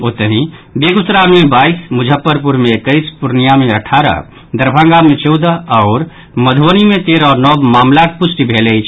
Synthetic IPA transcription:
ot̪əɦĩbeɡut̪ːɾaɾmebaismud͡ʒʱəpːəɾpuɾmẽːkəɪspuɾnijameəʈʰaɾə̰ | d̪əɾbʱãŋɡamet͡ʃəʊd̪əɔːɾ | məd̪ʱʋənimẽt̪eɾɔɾnɔbmaːmlakpʊsʈibʱeləjt͡ʃʰ

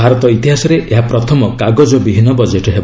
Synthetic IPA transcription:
aɾɔt̪ɔit̪iɦasɔɾeʔeɦapɾɔt̪ʰɔmɔkaɡɔd͡ʒɔbibʱinːɔbɔd͡ʒeʈɦeb

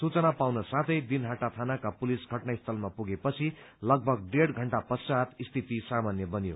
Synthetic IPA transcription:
sut͡sʌnapawnʌsãt̪ʰʌjd̪inɦaʈat̪ʰanakapulisɡʱʌʈnaist̪ʰʌlmapuɡepʌt͡sʰi | lʌɡ̚bʱʌɡ̚ɖeɽɡʱʌɳʈapʌsad̪ist̪ʰit̪isamanjʌbʌnjo̰

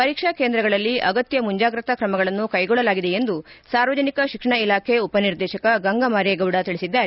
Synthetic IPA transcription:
pɐɾiːkʂɐkend̪ɾɐɡɐɭɐlːiʔɐɡɐt̪jɐmuɲd͡ʒaːɡɾɐt̪ɐkɾɐmɐɡɐɭɐnːukɐjɡɔɭːɐlaːɡid̪e̞end̪usaːɾʋɐd͡ʒɐnikɐʃikʂɐɳɐilaːkʰeupɐniɾd̪ɛːʃɐkɐɡɐŋɡɐmaːɾjɐɡɐwɽɐt̪iɭisid̪ːaːɾe

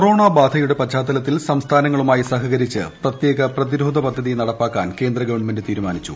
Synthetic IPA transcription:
koro̞ːɳabaːd̪ʱɐjuɽe̞pɐt͡ɕːaːt̪ːɐlɐt̪ːilsɐmst̪ʰaːnɐŋːɐɭumaːjisɐɦɐɣɐɾit͡ɕːɨ̰prɐt̪je̞ːɣɐprɐðiɾoːd̪ʱɐpɐd̪ʱːɐðijnɐɽɐpːaːkːaːnke̞ːnd̪rɐɡɐʋɐɳmendɨt̪iːɾumaːnit͡ɕːṵ

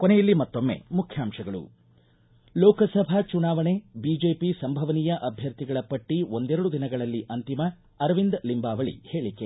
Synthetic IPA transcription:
konejɐlːimɐt̪ːo̞mːḛmukʰjaːmʂɐɡɐɭṵ | lɔːkɐsɐbʱat͡ʃunaːʋɐɳebiːd͡ʒe̞ːpisɐmbʱɐʋɐniːjɐʔɐbʱjɐɾt̪iɡɐɭɐpɐʈːiʋo̞nd̪ɛɾɐɽud̪inɐɡɐɭɐlːiʔɐnt̪imɐ | ɐɾʋind̪limbaːʋɐɭḭhe̞ːɭikːe

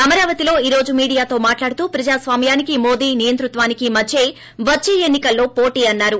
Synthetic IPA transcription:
ɐmɐɾaːʋɐt̪ilo̞ːiːɾo̞ːd͡ʒumiːɽijaːt̪o̞ːmaːʈlaːɽut̪uːpɾɐd͡ʒaːsʋaːmjaːnikimo̞ːd̪iːnijɐnt̪ɾut̪ʋaːnikimɐt͡ʃe̞ː | ʋɐt͡ʃːeːenːikɐlːo̞ːpoːʈiːɐnːaːɾu

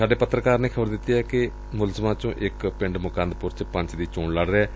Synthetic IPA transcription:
aːɖeːpət̪ɾəkaːɾneːkʰəbəɾd̪ɪt̪ːiːɛːkɪ | mʊlzəmãːt͡ʃõːʔɪkpɪ̃ɳɖmʊkãːnd̪pʊɾt͡ʃpə̃ɲt͡ʃd̪iːt͡ʃoːɳləɽɾeɛː

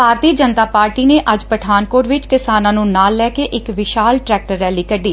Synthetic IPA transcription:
bʱaːɾt̪iːd͡ʒənt̪aːpaːɾʈiːneːʔəd͡ʒpəʈʰaːnkoːɾʋɪt͡ʃkɪsaːnãːnũːnaːlːɛːkeːʔɪkʋɪʃaːlʈɾɛːk̚ʈəɾːɛːliːkəɖiː

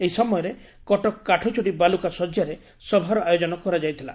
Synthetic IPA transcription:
eisɔmɔjɔɾe | kɔʈɔkːaʈʰɔt͡ʃʰoɽibalukasɔd͡ʒjaɾe | sɔbʱaɾɔajod͡ʒɔnɔkɔɾad͡ʒajt̪ʰila̰

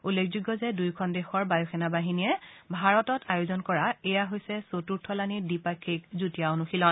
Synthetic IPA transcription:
ulːekʰzuɡːɔzɛdujkʰɔndexɔɹbajɔxʰɛnabaɦiniɛbʱaɹɔtɔtajozɔnkɔɹaɛjaɦojsɛsotuɹtʰɔlanidipakʰːikzutiaonuxilɔn

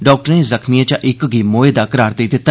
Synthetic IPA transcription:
ɖɔːk̚ʈəɾẽːzəkʰnɪjãt͡ʃaʔɪkɡiːmoːeːd̪aːkəɾaːɾd̪eːd̪ɪt̪ːa

